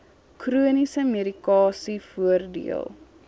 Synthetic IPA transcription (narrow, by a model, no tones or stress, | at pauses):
kruənisəmeɾikɑːsifuərdḭə̰lˠ